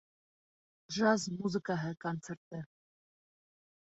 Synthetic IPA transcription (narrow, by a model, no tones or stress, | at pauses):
ʒɑzmuzəkɑɦɛkɑnt͡sʰɛɾt̪̚ɛ